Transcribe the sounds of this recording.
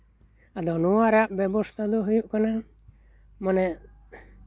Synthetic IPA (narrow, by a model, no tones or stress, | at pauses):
ad̪ɔnuwaɾɛaʔbɛbɔst̪ʰad̪ɔɦujuʔkana | mɔnɛ